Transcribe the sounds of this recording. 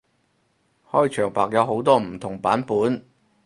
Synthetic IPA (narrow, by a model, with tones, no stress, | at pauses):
hɔː˥˩jt͡ʃʰœː˨˩ŋpa̰ː˨k̚jɐ˨˧wɦo˨˥wt̪ɔː˥m̩˨˩t̪ʰʊ˨˩ŋpaː˨˥npuː˨˥n